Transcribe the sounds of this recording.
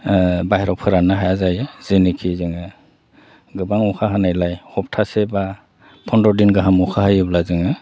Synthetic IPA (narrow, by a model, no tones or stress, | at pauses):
baɦɾɔpʰɯɾanaɦajazajɯzɯnikʰizɯŋɯ | ɡɯbaŋɔkʰaɦanajlajhɔp̚tʰaseba | pʰɔndɔdinɡɯɦamɔkʰaɦajɯblazɯŋɯ